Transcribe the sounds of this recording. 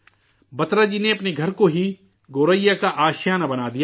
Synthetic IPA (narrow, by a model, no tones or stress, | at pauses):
bɐt̪ɾad͡ʒiːneɐpneɡʱɐɾkoɦi | ɡoːɾəjːakaʔaːʃjaːnabɐnaːd̪ijaː